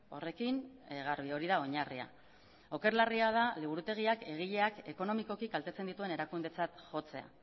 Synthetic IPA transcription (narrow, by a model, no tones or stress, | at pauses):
o̞̰re̞kinɣaɾβio̞ɾiðao̞ɲaria̰ | o̞ke̞ɾlariað̞aliβuɾut̪e̞ɣ̞iake̞ɣ̞iʎe̞ake̞ko̞no̞miko̞kiɡalt̪e̞t͡se̞nd̪it̪ue̞ne̞ɾakund̪e̞t͡sat̪ʝo̞t͡se̞a̰